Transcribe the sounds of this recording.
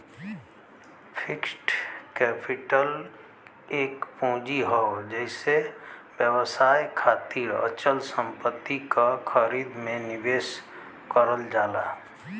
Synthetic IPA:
pʰɪksʈkɛːpɪʈəl | eːkpõːd͡ʒiɦɔod͡ʒɛɦɪsewjəwsaːjkʰaːt̪iːɾə̰t͡ʃəlsə̃mpət̪ːikakʰəɾiːd̪mẽnɪʋeːs | kəɾəld͡ʒaːla̰ː

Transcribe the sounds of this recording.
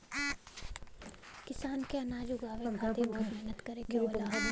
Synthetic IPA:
kɪsaːnkeɐnaːd͡ʒʊɡaːʋeɡʱaebʱɔːt̪mɛɦnət̪kɐɾeːɡeəla

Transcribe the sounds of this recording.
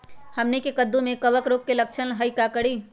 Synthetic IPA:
həmnikekəd̪ːumekəʋəkɾok̚kelək̚t͡ʃʰənɦəjkakəɽi

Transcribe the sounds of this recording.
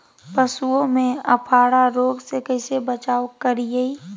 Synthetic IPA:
pəsuõmẽɐpʰaːɽaɾoːɡsekɐɪsebət͡ʃaːwkɐɾijɐi

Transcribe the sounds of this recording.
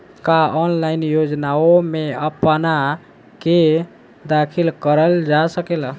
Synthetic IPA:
kaɔnlainjod͡ʒnaomeəpna | ke | d̪akʰilkəɾəld͡ʒasəkela

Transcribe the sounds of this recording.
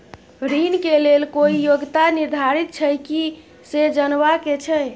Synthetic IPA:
ɾinkelelkoijoɡt̪aniɾd̪ʱaɾit̪̚t͡ʃʰəjki | sed͡ʒənʋaket͡ʃʰə

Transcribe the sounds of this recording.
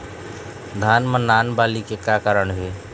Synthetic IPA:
d̪ʱaːnmənːaːnbaːlikekaːkəɾəɳɦeː

